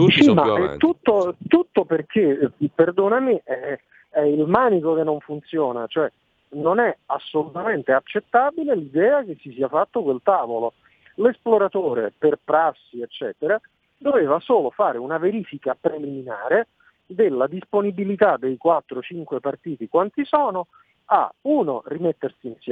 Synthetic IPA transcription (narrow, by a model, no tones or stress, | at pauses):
simaɛt̪ːut̪ːot̪ut̪ːoperk̟ʰeiperd̪oːnamiʔɛ | ɛilmaːnikokenːoɱfunt̪sjoːnat͡ʃoɛ | nonɛasːolut̪ament̪eat͡ʃːet̪ːabilelid̪ɛːak̟esːisiːafat̪ːokwelt̪aːvolo | lesploɾat̪oːɾḛperpɾasːiet͡ʃːɛːt̪eɾa | d̪oveːvasoːlofaːɾeunaveɾiːfikapɾeliminaːɾe | d̪elːad̪isponibilit̪ad̪ejkwat̪ːɾot͡ʃiŋkwepart̪iːt̪ikwant̪isɔːno | a̰uːno̰rimet̪ːersiːnsjɛ